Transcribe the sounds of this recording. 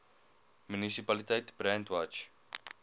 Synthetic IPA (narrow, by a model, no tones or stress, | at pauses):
mynisipɐlitɛjtb̥ɾɛntwɐt͡ʃ